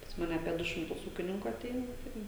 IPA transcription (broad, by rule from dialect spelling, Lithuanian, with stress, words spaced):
pɐs ˈmɑːnʲɛ ɐpʲiɛ ˈdʊ ʃʲɪmˈtʊs ˈuːkʲɪnʲɪŋkʊ ɐˈtʲɛɪnɐ ˈtɐɪ